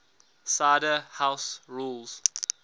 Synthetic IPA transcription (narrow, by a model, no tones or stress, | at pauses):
saɪdəhaʊsɹuːlz̥